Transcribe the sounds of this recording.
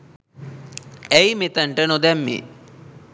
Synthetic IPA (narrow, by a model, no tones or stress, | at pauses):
ejmet̪əɳʈənod̪æmːḛ